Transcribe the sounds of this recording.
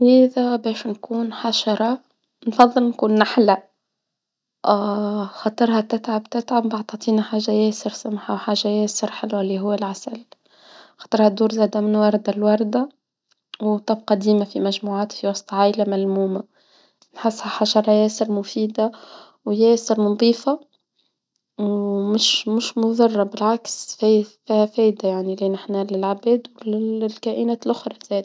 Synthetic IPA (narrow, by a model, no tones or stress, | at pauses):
hiːðæbɛːʃnkuːnħaʃɑɾˤɑ | nfɑðˤːɨlnkuːnːaħlæ | xɑt̪ˤɨɾhat̪ɪt̪ʕabt̪ɪt̪ʕabbaʕt̪ˤɑt̪ˤiːnaħaːʒːajɛːsɪɾsamħawħaːʒːajɛːsɪɾħɪlwæliɦʊwːælʕasæl | xɑ̥t̪ˤɨɾˤhæd̪ːuːɾzɛːd̪amɪnwɑɾˤd̪alwɑɾˤd̪a | wt̪ˤːɑb̚qɑd̪iːmafimæʒmuːʕaːt̪fiwɑsˤt̪ˤɑʕaːʔɪlamælmuːma | nħɪsːhaħaːʒɑɾˤɑjɛːsəɾˤmʊfiːd̪a | wjɛːsəɾmʊnd̪ˤiːfa | wmɪʃmʊʃmʊðɑrˤːɑbɪlʕaksffiːhæfɛːjd̪ajaʕniliːnʔɪħnælɪlʕabæːd̪wlɪlkæːʔinæːt̪lʔʊxɾˤɑz̥ɛːd̪